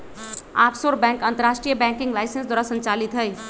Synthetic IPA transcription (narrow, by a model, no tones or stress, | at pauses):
aːpsoɾbɛ̃ːŋkɐ̃nt̪əɾaːʃʈɾijəbɛ̃ːŋkɪ̃ŋɡlaːɪsensd̪wɔaːɾasə̃ɲt͡ʃaːlit̪ɦəj